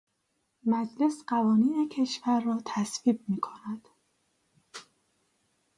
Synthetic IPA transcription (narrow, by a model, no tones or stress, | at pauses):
mæd͡ʒle̞sɢævɒːniːne̞cʰe̞ʃvæɾːɒːt̪ʰæsviːb̚miːkʰo̞næd̪̥